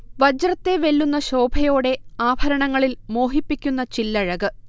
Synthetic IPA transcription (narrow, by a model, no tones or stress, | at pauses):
ʋɐd͡ʑrɐt̪ːe̞ʋe̞lːunːɐɕo̞ːbʱɐjo̞ːɽe̞aːbʱɐɾɐɳɐŋːɐɭilmo̞ːɦipːikʲːun̪ːɐt͡ɕilːɐɻɐɣɨ